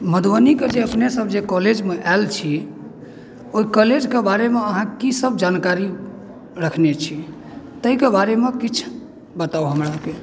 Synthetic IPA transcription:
məd̪wəniked͡ʒeəpnesəbʱd͡ʒekɔled͡ʒmeʔɛlt͡ʃʰi | oikəled͡ʒkebaɾemeəɦãkisəbʱd͡ʒankaɾi | ɾəkʰnet͡ʃʰi | t̪əikebaɾemekit͡ʃʰ | bət̪auɦəmɾake

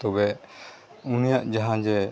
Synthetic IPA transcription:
ɔbɛ | unijaʔd͡ʒaɦãd͡ʒɛ

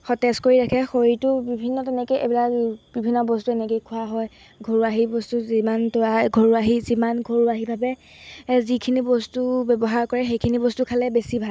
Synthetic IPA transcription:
xɔtɛskoɹiɹakʰɛxoɹitʊbibʱinːɔtɛnɛkeḛbilakbibʱinːɔbɔstuɛnɛkekʰʊaɦɔj | ɡʱoɹuaɦibɔstuzimantɔaɡʱoɹuaɦizimanɡʱoɹuaɦibʱabɛ | zikʰinibɔstubɛbɔɦaɹkɔɹɛxejkʰinibɔstukʰalɛbesibʱa

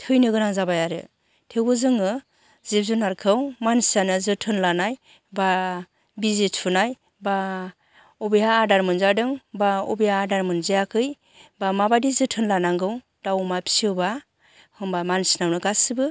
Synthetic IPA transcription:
tʰɯjnɯɡɯnaŋzabajaɾɯ̰ | tʰewbɯzɯŋɯ | zep̚zunaɾkʰɯwmansianɯzɯtʰɯnlanaj | ba | bizetpʰunaj | ba | ɔbejaːdaɾmɯnzadɯŋbaɔbijaːdaɾmɯnzejakʰɯj | bamabadizɯtʰɯnlanaŋɡɯw | d̥awmapʰi̥siɯba | hɯmbamansinawnɯɡasɯbɯ

